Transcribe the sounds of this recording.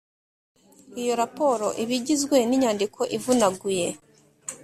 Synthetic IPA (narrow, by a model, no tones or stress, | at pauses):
ijo̞ɾapo̞ɾo̞ʔiβiɟizɡwe̞niɲaːndikʰo̞ʔivunaɡuje̞